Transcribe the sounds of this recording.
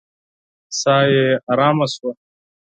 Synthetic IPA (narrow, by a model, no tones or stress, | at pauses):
saːjeɐɾaːmɐswa